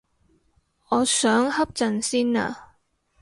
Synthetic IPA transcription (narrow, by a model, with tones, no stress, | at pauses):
ɔː˨˧sœː˨˥ŋhɐ˥p̚t͡sɐ˨nsiː˥na̰ː˨